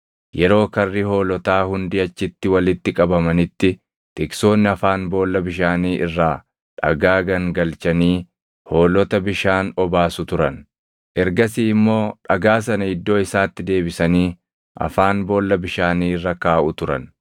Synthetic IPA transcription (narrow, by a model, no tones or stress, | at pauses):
jɛɾo̞ːkɐrːiho̞ːlɔt̪aːhʊnd̪iːɐt͡ʃːɪt̪ːɪwɐlɪt̪ːɪkʼɐbɐmɐnɪt̪ːɪ | t̪ɪkso̞ːnːɪɐfaːnbo̞ːlːɐbɪʃaːniːʔɪrːaː | ᶑɐ̰ɡaːɡɐŋɡɐlt͡ʃɐniː | ho̞ːlɔt̪ɐbɪʃaːnɔbaːsʊt̪ʊɾɐn | ʔɛɾɡɐsiːɪmːo̞ːᶑɐɡaːs̬ɐnɐɪd̪ːo̞ːɪsaːt̪ːɪd̪e̞ːbɪsɐniː | ʔɐ̰faːnbo̞ːlːɐbɪʃaːniːɪrːɐkaːʔʊt̪ʊɾɐ̰n